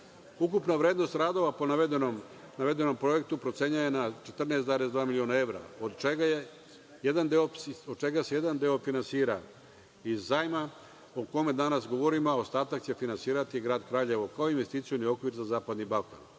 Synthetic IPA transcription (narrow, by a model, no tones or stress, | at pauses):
ukupnaʋɾe̞ːd̪no̞st̪ɾaːd̪o̞ʋapo̞naed̪nom | naʋe̞d̪e̞no̞mpɾo̞je̞k̚t̪upɾo̞t̪se̞ɲajenat͡ʃe̞t̪r̩neːszaɾesd̪ʋaːmilio̞nae̞ʋɾa̰od̪t͡ʃeɡaj | jed̪and̪eosod̪̚t͡ʃe̞ɡase̞jed̪and̪eo̞finansiːɾa | izːajma | oko̞me̞d̪anasɡo̞ʋo̞ɾimaost̪aːt̪akt͡ɕe̞finansiːɾat̪iɡɾaːd̪kɾaːʎe̞ʋokaoinʋe̞st̪iːt̪sionio̞kʋiɾzazaːpad̪nibalka̰n